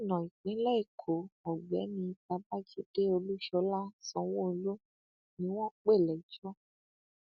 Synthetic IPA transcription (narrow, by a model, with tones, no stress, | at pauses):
nɔ̃˨i˨k͡pĩ˨˦lɛ˦i˨kʰo˨mɔ˨ɡ͡bɛ˨˦nĩ˧ta˧ba˦d͡ʒi˦de˦o˧lu˦ʃɔ˧˦la˦sɔ̃˧w̃ɔ̃˦o˧lo˦ | nĩ˨˦w̃ɔ̃˦k͡pe˦˨lɛ˨d͡ʒɔ˦